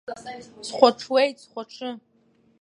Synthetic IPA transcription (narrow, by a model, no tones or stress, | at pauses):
sχʷaʈ͡ʂʰwejtsχʷaʈ͡ʂʰɨ